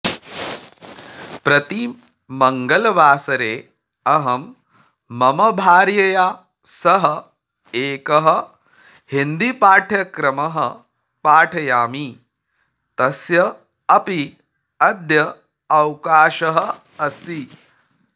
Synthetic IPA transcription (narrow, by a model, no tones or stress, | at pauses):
pɾɐt̪i | mɐŋɡɐlɐʋaːsɐɾeː | ɐɦɐmː | ɐmɐbʱaːɾjɐjaː | sɐɦɐ̆ | eːkɐɦɐ̆ | hind̪ipaːʈʰjɐkɾɐmɐɦɐ̰ | paːʈʰɐjaːmi | t̪ɐsjɐ | ɐpi | ɐd̪ʱjɐ | ɐwkaːʃɐɦɐ̆ | ɐst̪i